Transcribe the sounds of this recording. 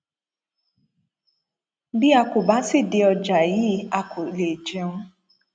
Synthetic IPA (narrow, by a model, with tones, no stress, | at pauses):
dɪ˦a˦kʊ˨ba˦sɪ˦dɪ˦ɔ˨d͡ʒa˨jɪ˦a˦kʊ˨le˨d͡ʒe˦ŋʊ˦